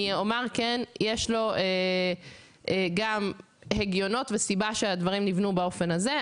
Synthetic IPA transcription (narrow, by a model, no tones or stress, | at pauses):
iomeʁkenjeʃlo̞ʔe | eɡam | heɡjo̞no̞t̪vesibaʃead̪vaʁimnivnubao̞fe̞naze